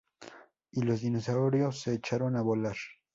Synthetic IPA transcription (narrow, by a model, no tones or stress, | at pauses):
ilo̞zðinos̬aoɾjo̞sːe̞ːt͡ʃaɾo̞naβolaɾ